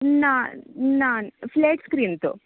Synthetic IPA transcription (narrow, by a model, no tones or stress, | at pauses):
naːnaːnfleːʈskɾiːnt̪ṵ